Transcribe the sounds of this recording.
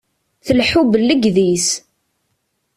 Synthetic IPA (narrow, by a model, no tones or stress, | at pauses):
θəlħubəlːəɡðis